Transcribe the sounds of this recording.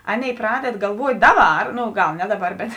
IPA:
ˈɑːˌnʲeːɪ ˈprɑːdʲɛt ɡɐlˠˈʋuɔtʲ ˈdɑːˌbɐr ˈnoː ˈɡɐlˠ ˈnʲɛ ˈdɑːˌbɐr bʲɛt

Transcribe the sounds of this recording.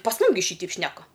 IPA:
pɐs ˈmʊm ɡʲɪ ˈʃʲiːtʲɛɪp ˈʃʲnʲæːkɐ

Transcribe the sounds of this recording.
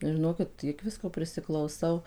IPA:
ʒʲɪˈnoːkʲɪt ˈtʲiɛk ˈʋʲɪskoː pʲrʲɪsʲɪklˠɐʊˈsɐʊ

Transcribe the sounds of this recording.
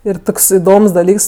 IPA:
ɪr ˈtoːks ɪˈdoːms dɐˈlʲiːks

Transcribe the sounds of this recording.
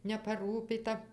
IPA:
nʲɛpɐˈruːpʲiːtɐ

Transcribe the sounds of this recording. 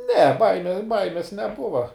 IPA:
nʲɛ ˈbɐɪmʲɛ ˈbɐɪmʲeːs nʲɛˈbʊʋɐ

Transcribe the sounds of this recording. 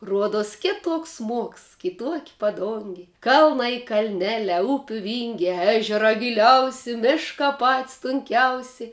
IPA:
ˈruɔduɔs ˈkʲɪtuɔks ˈsmuɔks ˈkʲɪtuɔkʲ pɐˈdʊŋʲɡʲɪ ˈkɐlˠnɐɪ kɐlʲˈnʲæːlʲæː ˈʊpʲuː ˈʋʲiːŋʲɡʲæː ˈæːʒʲɛrɑː ɡʲɪˈlʲɛʊsʲɪ ˈmʲɪʃkɑː pɐtʲsʲ tʊŋʲˈkʲɛʊsʲɛɪ

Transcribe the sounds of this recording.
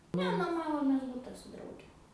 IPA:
ˈnʲɛ noːˈmɑːʋoːmʲeːs ˈbʊtɐ sʊ ˈdrɐʊɡʲɛ

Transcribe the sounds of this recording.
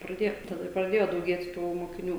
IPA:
prɐˈdʲeːjoː tɐˈdɐ ɪr prɐˈdʲeːjoː dɐʊˈɡʲeːt tuː moːkʲɪˈnʲuː

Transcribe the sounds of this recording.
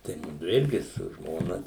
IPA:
tɐɪ ˈmʊdʊ ˈɪrʲɡʲɪ sʊ ˈʒmoːnɐ

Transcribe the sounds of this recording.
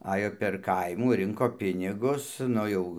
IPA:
ˈɑːjoː pʲɛr ˈkɐɪmuː ˈrʲɪŋkoː ˈpʲɪnʲɪɡʊs ˈnʊ jɛʊ

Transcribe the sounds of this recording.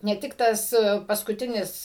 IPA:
nʲɛ ˈtʲɪk tɐs pɐskʊˈtʲɪnʲɪs

